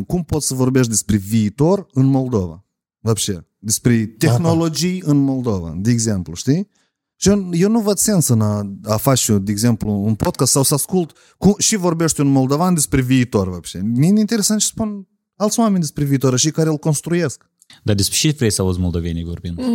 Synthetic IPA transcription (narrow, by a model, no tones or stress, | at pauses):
kumpo̞t̪sʲsəvo̞rbe̞ʃ̬t̪d̪espɾe̞viːt̪o̞rɨnmo̞ld̪o̞va̰ | vabʃḛ | d̪e̞spɾe̞t̪exno̞lo̞d͡ʒijɨnmo̞ld̪o̞va̰d̪eeɡze̞mpluʃt̪i | t͡ʃejewnuvəd̪se̞nsɨnaafat͡ʃd̪eeɡze̞mpluːnpot̪̚kast̪sawsəaskult̪ | kumʃivo̞rbe̞ʃt̪ʲɨnmo̞ld̪o̞vand̪espɾe̞viːt̪o̞rvabʃemeinint̪ee̞sant̪t͡ʃe̥spun | alt̪sʲwame̞nd̪espɾe̞viːt̪oɾaʃikaɾeulko̞nst̪ɾuje̞sk | d̪ad̪espɾeʃit̪vɾejsəaus̬molˠd̪ovenḭvorbḭnd̪